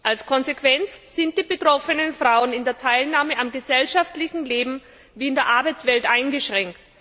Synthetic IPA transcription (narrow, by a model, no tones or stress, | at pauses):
ʔalskʰɔnzekʰv̥ɛnt͡sz̥ɪnt̚d̥iːbətʁ̥ɔfənənfʁ̥aʊənɪndeːɐtʰaɪlnaːməʔamɡəzɛlʃaftlɪçn̩leːbm̩ | viːɪndeːɐʔaɐbaɪt͡sv̥ɛltʔaɪnɡəʃʁ̥ɛŋkt